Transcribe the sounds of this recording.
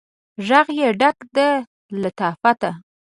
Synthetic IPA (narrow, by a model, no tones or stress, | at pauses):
ʒaɣjeɖakd̪ə | lat̪ɑfat̪a